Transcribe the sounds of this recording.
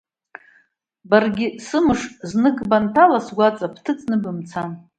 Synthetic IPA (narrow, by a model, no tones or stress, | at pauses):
barɡʲɪsɨmɨʂznɨɡʼbantʰalasɡʷat͡sʼapʰtʰɨt͡sʼnɨbɨmt͡sʰan